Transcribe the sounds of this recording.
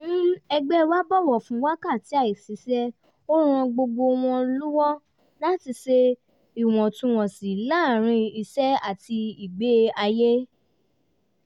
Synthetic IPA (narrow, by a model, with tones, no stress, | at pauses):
m̩˦ɛ˧ɡ͡bɛ˦wa˦bɔ˦˨wɔ˨fũ˨˦wa˦ka˦˨ti˨˦a˦˨i˨si˨˦sɛ˦ | o˦ɾ̃ã˧ɡ͡bo˧ɡ͡bo˧w̃ɔ̃˧lu˦wɔ˦ | la˦ti˧se˧ | i˨w̃ɔ̃˨tũ˧w̃ɔ̃˨si˨˦la˦˨ɾ̃ĩ˧i˧sɛ˦a˦˨ti˧i˨ɡ͡be˦a˧je˦